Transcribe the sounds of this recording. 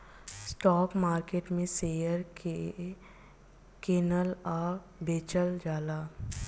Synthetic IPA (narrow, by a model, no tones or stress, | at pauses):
sʈɔːkmaːɾkeːʈmẽseːjəɾke | keːnəlaː | beːt͡ʃəld͡ʒaːlaː